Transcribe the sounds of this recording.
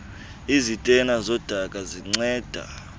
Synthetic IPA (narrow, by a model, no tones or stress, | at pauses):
izitʼɛnazɔd̥ʱakʼaziŋ͡ǀɛːd̥ʱa̰